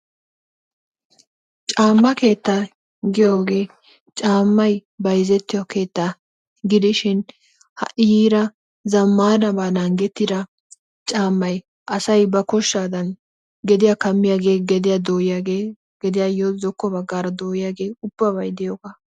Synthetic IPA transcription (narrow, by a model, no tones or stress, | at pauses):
t͡ʃʼaːmːɐke̞ːt̪ːaː | ɡɪjoːɡe̞ː | t͡ʃʼaːmːɐjbɐjzɛt̪ːɪjɔke̞ːt̪ːaː | ɡɪd̪ɪʃɪn | hɐ̰ʔɪjiːɾɐ | zɐmːaːnɐbaːnɐŋɡɛt̪ːɪd̪ɐ | t͡ʃʼaːmːɐj | ʔɐsɐjbɐkɔʃːaːd̪ɐn | ɡɛd̪ɪjakɐmːɪjaːɡe̞ːɡɛd̪ɪjaːd̪oːjjaɡe | ɡɛd̪ɪjaːjozɔkːɔbɐɡːaːɾɐd̪oːjɪjaːɡe̞ːʊb̥ːɐbɐjd̪ɛjoːkɐ